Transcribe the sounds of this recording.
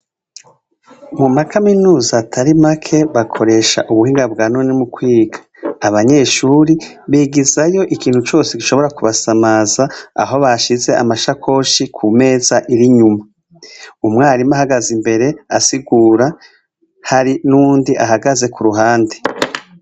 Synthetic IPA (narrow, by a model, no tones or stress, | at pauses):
mumakaminuːzatʰaɾimakʰe̞βakʰo̞ɾe̞ːʃa̰ʔuβuhiːŋɡabɡaːnoːnimukwiːɡḁː | βaɲe̞ːʃuːɾi | βiɡizajo̞ʔikiːn̥hut͡ʃo̞ːsekiʃoβo̞ɾakuβasamaːzaa̰ɦo̞βaʃize̞ʔa̰maʃakʰo̞ʃikʰume̞ːzaʔiɾiɲuma | umŋaːɾimahaɡazimbe̞ɾe̞asiɡuːɾa | haɾinuːndiʔaɦaɡaze̞kuɾuɦaːnde